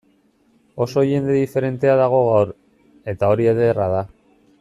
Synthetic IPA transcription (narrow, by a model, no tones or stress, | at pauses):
o̞so̞ʝe̞nd̪e̞ðife̞ɾe̞nt̪e̞aðaɣ̞o̞ɣ̞awɾ | e̞t̪ao̞ɾieðeːraða